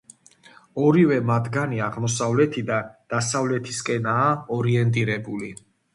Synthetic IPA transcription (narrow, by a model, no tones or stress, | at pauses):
ɔɾivɛmad̪ʰɡaniaʁmɔsavlɛt̪ʰid̪ad̪̥asavlɛt̪ʰiskʼɛnaːɔɾiɛnt̪ʼiɾɛbuli